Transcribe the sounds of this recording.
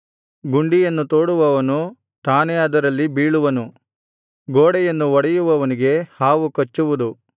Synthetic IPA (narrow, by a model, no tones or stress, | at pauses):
ɡuɳɖijɐnːut̪oːɽuʋɐʋɐnu | t̪aːneɐd̪ɐɾɐlːibiːɭuʋɐnu | ɡoːɽɛjɐnːuɔɽɐjuʋɐʋɐniɡe̞haːʋukɐt͡ʃːuʋud̪u